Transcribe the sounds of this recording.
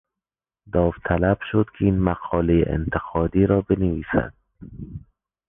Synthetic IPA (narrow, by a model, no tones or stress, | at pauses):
d̪ɒːft̪ʰælæb̥ʃod̪kʰeiːnmaqʰɒːlejḛʔḛnt̪ʰeqʰɒːd̪iːɾɒːbeneviːsæ̰d̪̥̚